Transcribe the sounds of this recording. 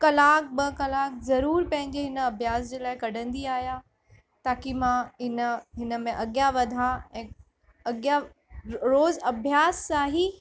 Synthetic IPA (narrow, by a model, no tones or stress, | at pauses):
kɐlaːk̚bɐkɐlaːk̚zɐɾuːɾpɐ̃ɦɪ̃ɲd͡ʑeɦɪnə̆ɐbʱjaːsd͡ʑeːlaːɪkɐɖ̤ʱə̃nd̪iaːɦja | t̪aːkimãɦɪnəɦɪnə̆mẽʔɐɠjaʋɐd̪ʱaɛ̃ː | ɐɠja | ɾoːzɐbʱjaːsːaːɦi